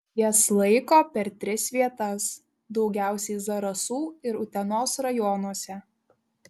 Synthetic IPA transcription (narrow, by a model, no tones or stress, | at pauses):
jislˠɐɪkoːpʲɛɾt̪ʲɾʲɪsʋʲiɛt̪ɐs | d̪ɒʊɡʲæˑʊsʲɛɪzɐɾɐsuːɪɾʊt̪ʲɛnoːsɾɐjɔnuɔsʲɛ